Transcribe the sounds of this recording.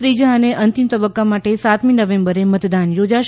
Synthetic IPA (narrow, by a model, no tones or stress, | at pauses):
t̪ɾid͡ʒaəneʔənt̪imt̪əbəkːamaʈesat̪minəʋẽmbəɾemət̪d̪anjod͡ʒaʃ